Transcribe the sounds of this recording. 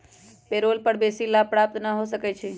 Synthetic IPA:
peɾolpəɽbesilapɾap̚t̪nəɦosəkɛt͡ʃʰi

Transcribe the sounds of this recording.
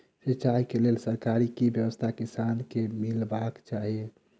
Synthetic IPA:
sit͡ʃaikelelsəɾkaɾikibjəwəst̪ʰakisankemilbakt͡ʃaɦie

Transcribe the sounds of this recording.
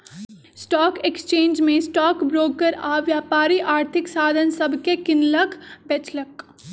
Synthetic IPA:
sʈɔːkekst͡ʃẽːnd͡ʒmẽsʈɔːkbɾoːkəɾaːʋjaːpaːɾiʔaːɾt̪ʰɪksaːd̪ʱənsɐbʱkekɪnləkbɛt͡ʃlək

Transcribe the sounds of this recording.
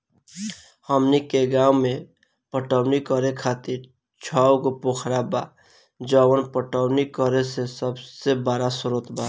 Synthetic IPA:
həmnikeɡaːwmẽ | pəʈəwnikəɾekʰaːt̪iɾ | t͡ʃʰawɡopokʰɾaba | d͡ʒaːwənpəʈəwnikəɾesesəbsebaːɾasʊɾət̪ba

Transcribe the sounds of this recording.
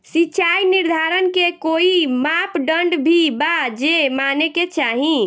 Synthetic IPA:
siːt͡ʃʰajniɾd̪ʱaɾənkekoimapɖəɳɖbʱibad͡ʒemaneket͡ʃaɦĩ

